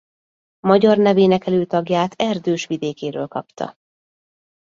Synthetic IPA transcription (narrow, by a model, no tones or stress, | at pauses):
mɒɟɒrnɛveːnɛkɛløːt̪ɒɡjaːt̪ʰɛrd̪øːʃʋid̪eːkeːɾøːlkɒ̰pt̪ʰɒ̰